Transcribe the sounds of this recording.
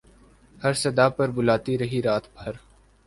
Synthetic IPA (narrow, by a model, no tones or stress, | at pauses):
hɐɾsɐd̪apɐɾbʊlaːt̪iɾɐɦiɾaːt̪ʰbʱɐɾ